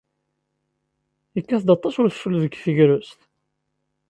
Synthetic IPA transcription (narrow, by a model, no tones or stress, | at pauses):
jəkːæθd̪ɑt̪ˤːɑsʊɾθə̥fəlðəɡfəʝɾʊst̪